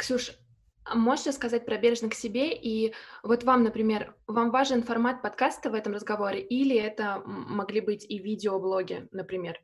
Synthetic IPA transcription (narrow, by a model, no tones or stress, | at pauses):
ksuʂ | mo̞ʐʂəskɐzat̚ʲpɾɐbʲeɾʐnəksʲɪbʲe̞ʔivo̞t̪vamnəpɾʲɪmʲe̞rvamvaʐɨnfɐrmat̪̚pɐt̪kast̪əvɛt̪əmrəzɡɐvo̞ɾʲɪʔilʲɪɛt̪əmɐɡlʲibɨtʲivʲidʲɪoblˠo̞ɡʲɪ̰nəpɾʲɪmʲe̞r